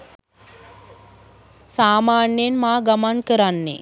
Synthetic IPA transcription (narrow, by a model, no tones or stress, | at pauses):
saːmaːɳjəjenmaːɡamankəɾanːḛ